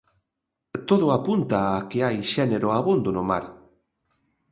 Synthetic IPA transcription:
t̪oð̞oapunt̪aːkeajʃeneɾoaβund̪onoma̰ɾ

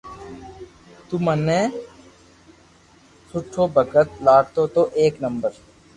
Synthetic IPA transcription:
t̪umənẽː | sʊʈʰːoːbʱəkət̪̚laːɽt̪oːt̪oʔeːknə̃mbəɾ

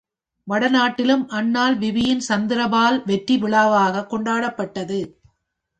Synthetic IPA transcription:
ʋɐɽɐnaːʈːɪlɯmʔɐnːaːlʋɪʋɪjɪnsɐnd̪ɪɾɐbaːlʋɛʈriʋɪɭaːʋaːɣɐkːɔɳɖaːɽɐpːɐʈːɐðɯ

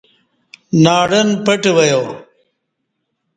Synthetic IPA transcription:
naːɽənpɐʈʋɐjoː

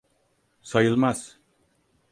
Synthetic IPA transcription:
sajɯlˠmaz̥

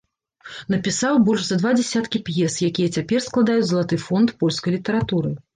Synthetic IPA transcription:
nɐpʲisawbɔlʲʐzɐd̪vad͡zʲɛsʲat̪kʲipjɛsjakʲijɛt͡sʲapʲɛrsklˠad̪ajud͡zʲzɐlˠat̪ɨfɔnt̪pɔlʲskɐjlʲit̪ɐɾat̪uɾɨ

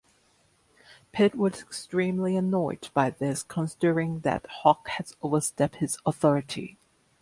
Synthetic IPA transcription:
pʰɪt̚wʌzɨkstɹ̥ĩmliənɔɪdb̥aɪðɪskʰə̃nsɪɾə˞ɪ̃ŋðɨ̰t̚hɑkhɨzoʊvə˞stɛp̚t̚hɨzəθɔɹɨɾʰḭ

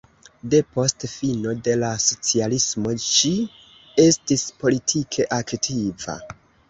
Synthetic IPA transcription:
de̞po̞stfino̞de̞laso̞t͡sialismo̞t͡ʃi | e̞stispo̞litʰikʰe̞ʔaktʰiva̰

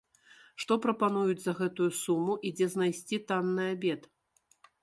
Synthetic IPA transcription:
ʂt̪ɔpɾɐpanujud͡zʲzɐɣɛt̪ujusumuʔid͡zʲɛznajsʲt͡sʲit̪anːɨabʲɛt̪

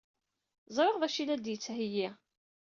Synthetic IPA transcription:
zˤɾˤəʁðæʃilæd̪jət͡sːhəji

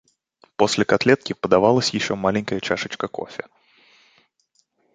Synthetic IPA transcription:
po̞sʲlʲɪkat̪lʲet̪̚kʲɪpəd̪ɐvalˠəsʲjɪɕːo̞malʲɪnʲkəjət͡ɕaʂɨt͡ɕkəko̞̰fʲɪ̰

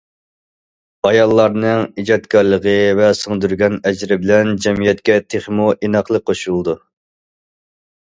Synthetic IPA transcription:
ɑjɑlˠːɑɾnɨŋid͡ʒɑt̪kʲʰɑɾlˠəʁəvɛsɨŋd̪yɾɡʲɛnɛd͡ʒɾɪbɪlɛnd͡ʒɛmijɛt̪kʲɛt̪ʰeχmuʔinɑqlˠəqʰoʃulˠd̪u

